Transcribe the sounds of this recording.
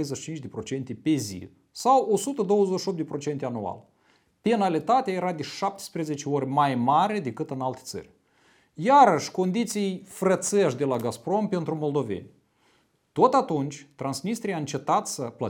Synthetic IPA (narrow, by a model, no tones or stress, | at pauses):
ejzeʃi̥t͡ʃint͡ʃʲd̪e̞pɾo̞t͡ʃe̞nt̪e̞pe̞zḭ | sawo̞sut̪əd̪o̞wəzeʃʲiop̚d̪epɾo̞t͡ʃe̞nt̪ʲeanua̰l | pe̞nalit̪at̪eaje̞ɾad̪e̞ʃap̚t̪e̥spɾe̞zet͡ʃeo̞rʲmajmaɾe̞d̪e̞kɨt̪ɨnalt̪e̥t̪sə̰rʲ | jaɾəʃʲko̞nd̪it̪sijfɾət̪seʃʲd̪e̞laɡaspɾo̞npe̞nt̪ɾumo̞ld̪o̞ve̞̰nʲ | t̪o̞t̪at̪unt͡ʃʲt̪ɾansnist̪ɾijaɨnt͡ʃe̞t̪at̪səplə